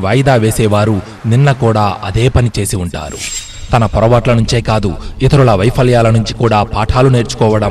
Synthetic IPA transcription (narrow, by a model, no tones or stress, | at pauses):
ʋɐjd̪aːʋeːsɛːʋaːɾu | ninːɐkuːɽaːʔɐd̪e̞ːpɐnit͡ʃe̞ːsiuɳʈa̰ːɾṵ | t̪ɐnɐpɔɾɐʋaːʈlɐnuɲt͡ʃeːkaːd̪uit̪ɐɾulɐʋɐjpʰɐljaːlɐnuɲt͡ʃikuːɽaːpaːʈʰaːlune̞ːɾt͡ʃu̥kɔːʋɐɽɐ